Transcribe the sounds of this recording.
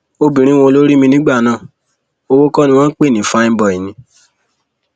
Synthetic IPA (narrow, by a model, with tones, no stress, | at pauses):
o˧bĩ˨ɾ̃ĩ˨˦wɔ̃˧o˧lo˦ɾi˦mĩ˧nĩ˦ɡ͡ba˦˨nãː˦˨ | o˧wo˦kɔ˦nĩ˧w̃ɔ̃˦k͡pe˦˨nĩ˨fa˦ĩ˦bɔ˦˨i˨nĩ˨